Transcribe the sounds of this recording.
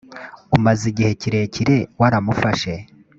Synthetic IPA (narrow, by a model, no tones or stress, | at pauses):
umaziɟihe̞ciɾe̞ciɾe̞waɾamufaʃe̞